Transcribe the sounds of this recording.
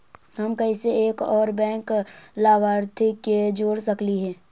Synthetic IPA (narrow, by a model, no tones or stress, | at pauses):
ɦɐmkəiseeːkɔːɾbɛ̃ːŋklaːʋaːɾt̪ʰiked͡ʒoːɽsəkliɦɛ̃ː